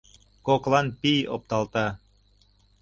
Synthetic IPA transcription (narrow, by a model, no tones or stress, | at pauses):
koklɑnpijo̰p̚t̪ɑlt̪ɑ